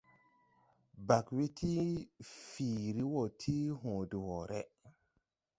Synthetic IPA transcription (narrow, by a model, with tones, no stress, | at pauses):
ba˨kwi˦tʰi˦fiː˨ɾi˦wo˨tʰi˦ɦõ˨du˨wɔ˨ɾʔɛ̰˦